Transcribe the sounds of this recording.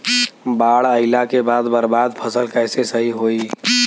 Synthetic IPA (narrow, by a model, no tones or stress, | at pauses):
baɽəɪlakebad̪bəɾbad̪pʰəsəlkəjsesəɦiɦoi